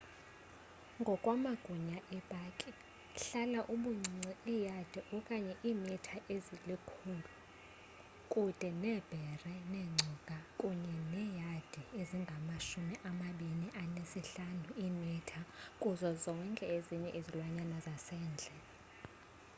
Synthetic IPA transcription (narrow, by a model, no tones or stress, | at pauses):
ŋɡʱɔkʼwamaɡ̥ʱuɲaʔɛb̥ʱakʼi | ɬalaʔuɓuŋ͡ǀiŋ͡ǀiijad̥ʱiʔɔkʼaɲɛʔiːmitʰaʔezilikʰulu | kʼud̥ʼʱɛnɛb̥ʱɛrɛnɛŋ͡ǀʱukʼakʼuɲɛnɛːjad̥ʱieziŋɡʱamaʃumiʔamaɓiniʔanesiɬanuiːmitʰakʼuzɔzɔŋkʼɛeziɲɛʔezilwaɲanazasɛːnd͡ɮʱɛ